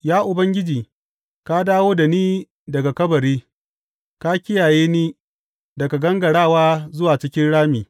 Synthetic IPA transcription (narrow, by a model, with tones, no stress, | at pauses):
jaː˦ʔʊ˨bɐ˦ŋɡʲɪ˦d͡ʒiː˨ | ka˦daː˦woː˦da˨niː˦ | dɐ˨ɡa˨kɐ˦bɐ˨ɾiː˦ | ka˦kʲɪ˦jaː˨jeː˦niː˦ | dɐ˨ɡa˨ɡɐ˦ŋɡɐ˨ɽaː˦˨waː˦zʊ˦waː˨t͡ʃɪ˦kʲɪ˦nɽaː˦miː˨